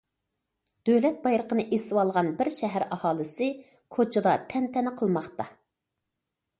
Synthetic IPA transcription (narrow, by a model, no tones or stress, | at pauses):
d̪̥ølɛt̪̚bɑjɾˠəqʰənɨʔesɪwɑlˠʁɑnbɪɾʃɛɦæɾɑhɑːlˠɨsɨ | kʰot͡ʃʰɨd̪ˠɑt̪ʰɛnt̪ʰɛnɪqʰəlˠmɑχt̪ɑ